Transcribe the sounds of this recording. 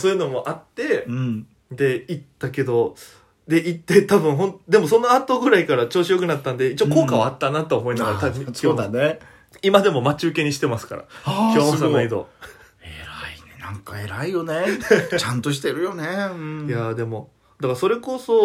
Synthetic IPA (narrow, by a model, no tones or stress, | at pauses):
soːjɯ̟no̞mo̞ʔat̪ːe̞ɯ̃ | d̪e̞it̪ːake̞d̪o̞ | d̪e̞it̪ːe̞t̪abɯ̟̃ɰ̃ɦõ̞nt̪d̪e̞mo̞so̞no̞at̪o̞ɡɯ̟ɾaikaɾat͡ɕo̞ːɕijo̞kɯ̟nat̪ːãnd̪e̞it͡ɕioko̞ːkaβaːt̪ːanat̪oːmo̞inaɡaɾat̪abɯ̟sooane | imad̪e̞mo̞mat͡ɕɨːke̞ɲ̟iɕi̥t̪e̞masɨ̥ka̰ɾa̰kʲoosanaid̪o̞̰ | eɾainenãŋkae̞ɾaijo̞net͡ɕãnt̪o̞ɕi̥t̪e̞ɾɯ̟jo̞nẽjad̪e̞mo̞ | d̪akaso̞ɾe̞ko̞so̞